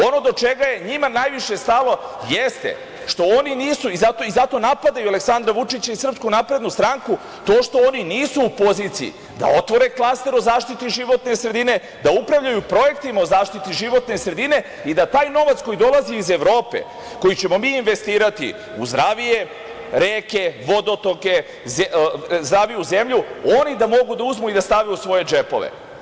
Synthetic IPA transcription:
o̞no̞d̪o̞t͡ʃe̞ɡaje̞ɲimanaːjʋiʃe̞st̪alo̞jest̪ḛ | ʃt̪o̞oniniːsuizat̪o̞izat̪o̞napad̪ajualeksand̪ɾaʋut͡ʂit͡ɕaisr̩pskunapɾe̞d̪nust̪ɾaŋku | t̪o̞ːʃt̪o̞oniniːsuːpo̞ziːt̪sijḭ | d̪a̰o̞t̪ʋo̞ɾe̞klˠast̪e̞ɾo̞zaːʃt̪it̪iʒiʋo̞t̪nesɾe̞d̪ine̞ | d̪aupɾaʋʎajupɾo̞je̞kt̪imaozaːʃt̪it̪iʒiʋo̞t̪ne̞sɾe̞d̪ine̞ | id̪at̪aːjno̞ʋat̪sko̞jid̪o̞lˠaziːze̞ʋɾo̞ːpe̞̰ | ko̞jit͡ɕe̞mo̞miːnʋe̞st̪iːɾat̪ḭ | uzd̪ɾaʋije̞ | ɾeːke̞ʋo̞d̪o̞t̪o̞ke̞ | zezd̪ɾaːʋijuze̞mʎuonid̪amo̞ɡud̪auzmuid̪ast̪aʋiusʋo̞je̞d͡ʒe̞po̞̰ʋḛ

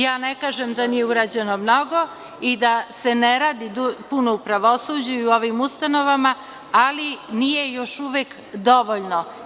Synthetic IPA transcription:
jaːnekaːʒemd̪anijeuɾaːd͡ʑe̞nomno̞ɡo̞ | id̪ase̞neɾaːd̪id̪upunoupɾaʋo̞suːd͡ʑuiuo̞ʋimust̪ano̞ʋama | alinijejo̞ʃuʋek | d̪o̞ʋoʎno

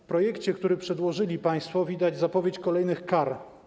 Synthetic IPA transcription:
fpɾɔjɛkt͡ɕɛkt̪uɾɘpʂɛd̪wɔʐɘlʲipaj̃st̪fɔvʲid̪ad͡ʑzapɔvʲjet͡ɕkɔlɛjnɘxkaɾ

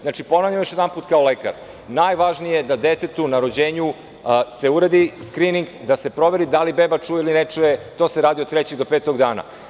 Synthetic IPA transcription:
znaːt͡ʃipo̞navʎamoʃjed̪ampuːt̪kaoleka̰ɾ | naːjʋaʒnije̞d̪ad̪et̪et̪unaɾo̞d͡ʑeːɲu | se̞uɾad̪iskɾiniŋɡd̪ase̞pɾo̞ʋe̞ɾid̪alibebat͡ʂuːjeilinet͡ʂujet̪o̞ːseɾaːd̪iot̪t̪ɾɛt͡ɕeɡd̪o̞peːt̪o̞ɡd̪aːna̰

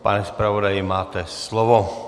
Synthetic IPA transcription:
pa̰nɛspɾavodajɪmaːt̪ɛslovo

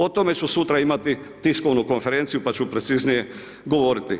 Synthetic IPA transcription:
ot̪o̞me̞t͡ɕusut̪ɾaimat̪i | t̪isko̞ʋnuko̞nfe̞ɾent̪sijupat͡ɕupɾe̞t̪siznije̞ | ɡo̞ʋoɾit̪i

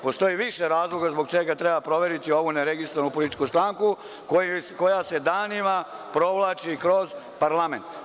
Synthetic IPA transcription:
po̞st̪o̞jiʋiʃeɾaːzlˠo̞ɡazbo̞ɡ̚t͡ʃeɡat̪ɾebapɾo̞ʋe̞ɾit̪io̞ʋuneɾeɡist̪ɾoʋanupolit̪i̥t͡ʃkust̪ɾaːŋku | koko̞jase̞d̪animapɾo̞ʋlˠat͡ʃikɾo̞z | paɾlament̪

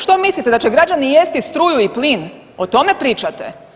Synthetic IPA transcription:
ʃt̪omislˠit̪ed̪at͡ʃeɡɾad͡ʒanijest̪ist̪ɾuːjuiplin | ot̪o̞mepɾiːt͡ʃat̪ḛ

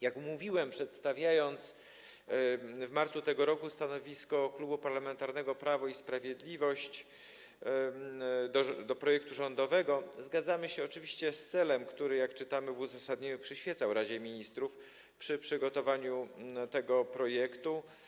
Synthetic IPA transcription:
jakmuvʲiwɛmpʂɛt̪st̪avʲjajɔnt̪s | vmaɾt̪sut̪ɛɡɔɾɔkust̪anɔvʲiskɔklubupaɾlamɛnt̪aɾnɛɡɔpɾavɔispɾavʲjɛd̪lʲivɔɕt͡ɕ | d̪ɔd̪ɔpɾɔjɛk̚t̪uʐɔnd̪ɔvɛɡɔzɡad̪zamɘɕɛɔt͡ʂɘvʲiɕt͡ɕɛst̪sɛlɛmkt̪uɾɘjakt͡ʂɘt̪amɘvuzasad̪ɲeɲupʂɘɕfʲjɛt̪sawɾad͡ʑɛmʲiɲist̪ɾuf | pʂɘpʂɘɡɔt̪ɔvaɲut̪ɛɡɔpɾɔjɛkt̪u

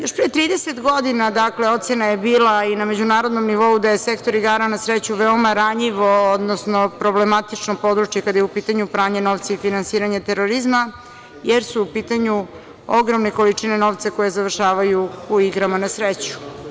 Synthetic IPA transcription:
jo̞ʃpɾit̪ɾiːd̪eset̪ɡo̞d̪inad̪akleo̞t̪senaje̞biːlainame̞d͡ʑunaːɾod̪no̞mniʋo̞ud̪aje̞se̞kt̪o̞ɾiɡaːɾanasɾet͡ɕuʋeomaɾaɲiʋood̪nosnopɾo̞ble̞mat̪it͡ʃnopo̞d̪ɾut͡ʃjekad̪ajeupiːt̪aɲupɾaːɲeno̞ʋt̪saifinansiːɾaɲat̪eɾoɾizma | jeɾsuːpiːt̪aɲu | oɡɾo̞mne̞ko̞lit͡ʃine̞no̞ʋt̪sako̞je̞zaʋr̩ʃaːʋajuuiɡɾamanasɾet͡ɕu̥

